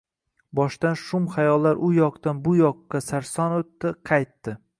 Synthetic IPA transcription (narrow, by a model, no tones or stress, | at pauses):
bɒʃt̪anʃʊmχajɒlːaɾʔʊjɒqt̪anbʊjɒqːasaɾsɒnot̪ːɪqʰɑjt̪ːɪ